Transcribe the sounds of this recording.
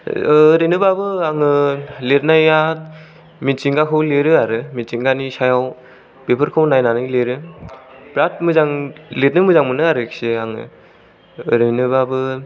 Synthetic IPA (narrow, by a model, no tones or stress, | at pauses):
ɾɯjnɯbabɯaŋɯletnajat̚ | mit͡ʃiŋɡakʰɯwleɾɯaɾɯmit͡ʃiŋɡanisajaw | b̥epʰɯɾkʰɯwnajnanɯjleɾɯ | bɾat̚mɯzaŋlet̚nɯmɯzaŋmɯnɯaɾɯkseaŋɯ̰ | ɾɯjnɯbabɯ